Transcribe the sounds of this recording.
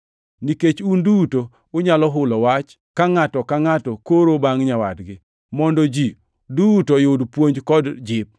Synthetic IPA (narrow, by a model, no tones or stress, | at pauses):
niket͡ʃunduto | ʊɲalɔɦʊlɔwat͡ʃ | kaŋatɔkaŋatɔkoɾobaŋɲawadɡɪ | mɔndɔd͡ʒi | dutɔjodpwoɲd͡ʒkɔdd͡ʒɪp̚